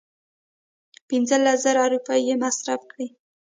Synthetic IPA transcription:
pɪnzəlaszaɾaːɾupɑjjemasɾafkɽi

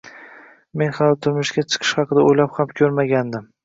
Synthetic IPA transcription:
me̞nχɑlˠt̪ʰʊɾmʊʃkʲat͡ʃʰɨ̥qʰɨ̥ʃχɑqʰɨd̪aojlaphamkʲʰɵɾmaɡʲand̪ɪm

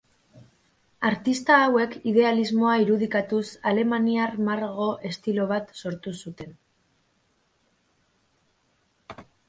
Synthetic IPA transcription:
aɾt̪ist̪aːwe̞kið̞e̞alizmo̞aiɾuð̞ikat̪usale̞maniarmaɾɣo̞ʔe̞st̪ilo̞β̞at̪so̞ɾt̪usut̪e̞n

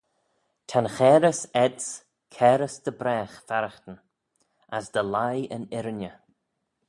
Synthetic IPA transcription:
t̪ʰanxɛːɾəsɛd̪s | kʰɛːɾəsd̪̥əbɾɛːxfaɾəxt̪ən | asd̪əlajənɪɾənə

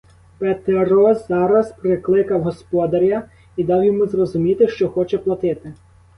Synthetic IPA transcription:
pet̪eɾɔzzɑɾɐspɾɪklˠɪkɐwɦɔspɔd̪ɐɾʲɐ | id̪ɑwjɔmuzrɔzʊmʲit̪ɪʃt͡ʃɔxɔt͡ʃɛplˠɐt̪ɪt̪ɪ

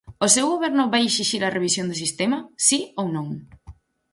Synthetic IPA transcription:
osewɣoβɛɾnʊβajeʃiʃiɾɐrʔeβ̞isjond̪ʊs̬ist̪emɐsiownõŋ

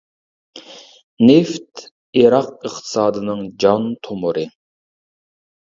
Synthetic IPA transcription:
neft̪ | iɾɑq̚əχt̪ʰɨ̥sɑːd̪ɨnɨŋd͡ʒɑnt̪ʰomʊɾɨ

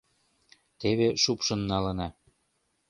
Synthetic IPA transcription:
t̪eβeʃupʃɤ̆nːɑlɤ̆nɑ

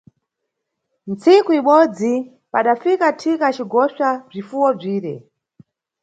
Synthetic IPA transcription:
nt͡sikuiɓɔd͡zi | paɗafikatʰikat͡ʃiɡɔʃab͡ʐifuwɔb͡ʐiːɾɛ̰

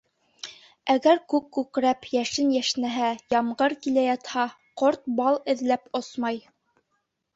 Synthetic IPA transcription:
æɡæɾkʉkːʉkɾæpjæʃɘnjæʃnæɦæjɑmɢɤɾkilæjɑt̪hɑ | qoɾt̪̚bɑlˠɘ̆ðlæposmɑj

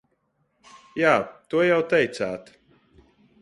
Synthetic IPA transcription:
jaːt̪uɔjawt̪ɛjt̪saːt̪

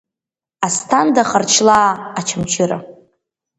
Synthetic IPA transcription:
astʰandaχart͡ʃʰlaːt͡ʃʰamt͡ʃʰɪɾa

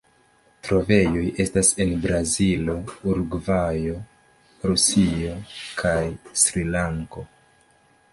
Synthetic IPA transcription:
tɾo̞ve̞joje̞stase̞nbɾazilo̞uɾɡvajo̞ | ɾusio̞kʰajsɾilaŋko̞

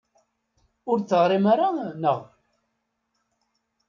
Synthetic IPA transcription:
ʊɾt͡sːəʁɾimaɾanəʁ

